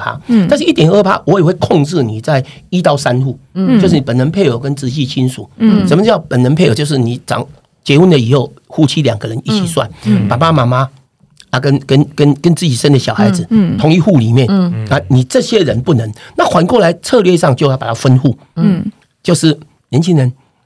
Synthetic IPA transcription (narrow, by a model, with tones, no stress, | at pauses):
pʰa̰˥t̪a˥˧nʂɻ̩˥˧i˥t̪jɛ˨˩nə˥˧pʰa̰˥˦wʔɔ˨˥˦jɛ˨˩we˥˧ɪkʰɔ˥˧ŋʈ͡ʂɻ̩˥˨ni˨˩t͡sa˥˩ɪi˥t̪ɑ˥ʊsa˦nxu˥˩t͡ɕjʊʂ̬̩˥˩n˨pə˨˩nə˧˦npʰe˥˩ɪjo˨˩ʊkə˦nt͡sɻ̩˧˥˦t͡ɕi˥˧t͡ɕʰi˦˥nʂu˨˩˦sə˨˩mə˦˩˧jɑ˥˩ʊpə˨˩nə˧˦npʰe˥˩ɪo˨˩t͡ɕjo˥˧ʊʂ̩˥˩ni˨˩t͡sɑ̰˨˩ŋ | t͡ɕjɛ˧˥˦wu˥˨nd̪ə˨i˨˩xo˥˩ʊxu˥˩t͡ɕʰi˥ljɑ˨˩ŋɡə˧˦ɻə˧˦ni˥˩t͡ɕʰi˨˩swa˥˩npa˨˩pa˥ma˧˥ma˦ | a˨˧kə˦nkə˦nkə˦nkə˦˥nt͡sɹ̩˥˩t͡ɕi˨˩ʂə˦˥nd̪ə˨ɕjɑ˨˩ʊxa˧˥ɪd͡zɹ̩˨t̪ʰʊ˧˥ŋi˥˧xu˥˩˨li˨˩mjɛ˥˩na˥˧ni˨˩t͡sɤ˥˧ɕjɛ˥ɻə˧˦npu˥˩nə˨˦ŋna˥˨xwa˧˥nkwɔ˥˨la˧˦ɪt͡sʰɤ˥˧lɥɛ˥˧ʂɑ˥˧˨ŋt͡ɕo˥ʊ˧a˧˩pa˨˩a˥fə˦nxu˥˩ | t͡ɕjo˥˧ʊʂɻ̩˥˩ | ljɛ˧˦nt͡ɕʰi˦˥ŋɻə˧˦n